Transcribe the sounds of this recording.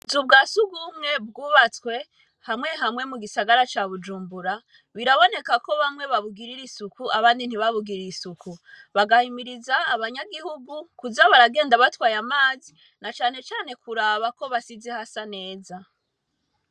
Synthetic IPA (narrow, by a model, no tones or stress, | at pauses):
zub̚ɡaːsuɡumŋe̞b̚ɡuːβat͡skwe̞ | hamŋe̞ɦamŋe̞muɡisaɡaɾat͡ʃaβud͡ʒuːmbuɾa | βiɾaβo̞ne̞kako̞βamŋe̞βaβuɡiɾiɾisukuʔaβaːndin̥iβaβuɡiɾiisuku | βaɡahimiɾizaːβaɲaɡihuɡukuzaβaɾaɡe̞ːndaβatwaːjamaːzi | nat͡ʃaːne̞t͡ʃaːne̞kuɾaːβako̞βasizehasane̞ːza